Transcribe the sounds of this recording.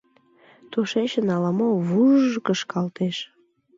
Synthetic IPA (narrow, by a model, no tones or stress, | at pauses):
t̪oʃeɕənɑlɑmoβuʒkəʃkɑlt̪eʃ